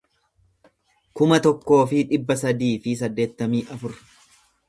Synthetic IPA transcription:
kʊmɐt̪ɔkːo̞ːfɪᶑɪbːɐsɐd̪iːfɪsɐd̪ːe̞ːt̪ːɐmiːʔɐfʊɾ

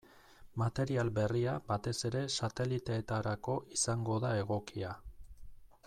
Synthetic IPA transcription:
mat̪e̞ɾialbe̞riabat̪e̞se̞ɾe̞sat̪e̞lit̪e̞ːt̪aɾako̞ʔisaŋɡo̞ðae̞ɣ̞o̞kia

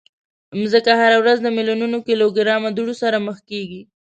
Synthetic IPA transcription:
mzəkahaɾawɾazd̪əmiljununokiloɡɪɾɑmad̪uɽosaɾaməxkeɡi

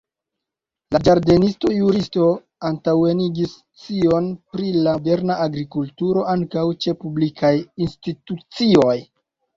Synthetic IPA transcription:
lad͡ʒaɾde̞nisto̞juɾisto̞ | antawe̞niɡis | t͡sio̞npɾilade̞ɾnaʔaɡɾikultuɾo̞ʔaŋkawt͡ʃe̞publikʰajinstitut͡sio̞j

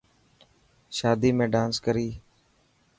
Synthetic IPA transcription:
ʃaːd̪iːmẽːɖãːnskəɾiː

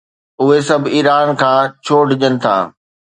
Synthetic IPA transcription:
ʊɦesɐbʱiːɾaːnkʰãːt͡ɕʰoːɖd͡ʑənɪ̆t̪ʰa̰ː

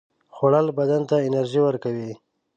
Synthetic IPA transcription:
xoɽalbad̪ant̪aɪnaɾʒiwəɾkawi

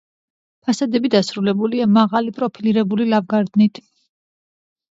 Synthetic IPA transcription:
pʰasad̪ɛbid̪asɾulɛbuliamaʁalipʼɾɔpʰiliɾɛbulilavɡaɾd̪nit̪ʰ

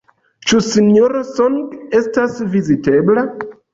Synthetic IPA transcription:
t͡ʃusinjoɾasoŋɡe̞stasvizite̞bla

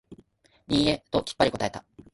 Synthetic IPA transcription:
ɲʲĩɰet̪o̞kʲi̥pːaɾʲiko̞t̪ae̞t̪a

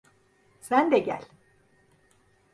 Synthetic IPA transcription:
sænd̪ɛɟæ̰lʲ

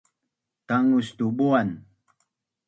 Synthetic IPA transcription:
taŋʊst̪ubuan

